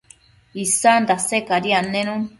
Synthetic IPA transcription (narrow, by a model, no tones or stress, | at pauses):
isand̪asekaɾianẽnũ